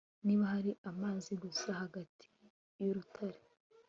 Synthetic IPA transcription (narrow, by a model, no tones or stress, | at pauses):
niːβahaɾiʔamaːziɡusahaɡatʰi̥ | joɾutʰaɾe